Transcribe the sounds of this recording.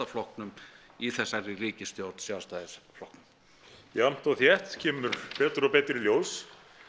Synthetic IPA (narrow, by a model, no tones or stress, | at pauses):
aflɔhknʏmiθɛsːarɪriːcɪst̪jowɾt̪n̥sjaːwst̪aːðɪɾflɔhknʏm | am̥t̪ɔɣθjɛht̪cʰɛːmʏɾpɛːt̪ʏɾɔpɛːt̪ɾɪljoːws